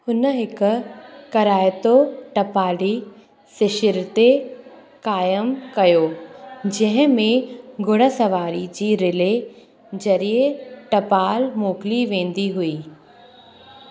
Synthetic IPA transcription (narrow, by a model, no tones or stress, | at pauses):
hʊnəɦɪkʊ̆kɐɾaːɪt̪oʈɐpaːɽi | sɪʃɪɾt̪e | kaːjəmkɐjoːd͡ʑɐ̃ɦɪ̃mẽɡʱʊɽ̃ə̆sɐʋaːɾid͡ʑiːɾɪle | d͡ʑɐɾieʈɐpaːlmoːkɪliʋẽːn̆d̪iɦʊiː